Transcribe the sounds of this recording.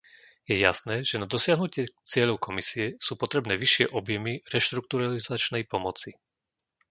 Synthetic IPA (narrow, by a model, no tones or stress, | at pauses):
jɛja̰snɛːʒɛnad̪ɔsɪaɦnucɪɛt͡sɪɛʎɔʊkɔmisiɛsuːpɔt̪ɾɛbnɛːʋiʃɪɛʔɔbjɛmiɾɛʃt̪ɾuk̚t̪uɾalizat͡ʃnɛjpɔmɔt͡si